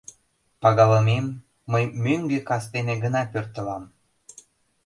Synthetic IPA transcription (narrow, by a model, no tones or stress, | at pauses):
pɑɣɑləmemː | əjmøŋɡekɑst̪eneɡənɑpørt̪əlɑm